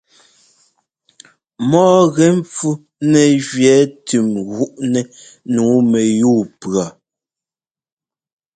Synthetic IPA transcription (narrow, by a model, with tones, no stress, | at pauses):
mɔː˦ɣɛ˨˦ɱp͡fu˦ | nɛ˨ʒɥjɛ˨˦tʉ˨mɣu˦ʔnɛ˦ | nuː˨˦mɛ˨juː˦˨pɰa˨